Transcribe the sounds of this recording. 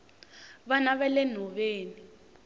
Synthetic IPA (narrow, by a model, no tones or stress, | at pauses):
βanaβɛlɛn̤ɔβeːni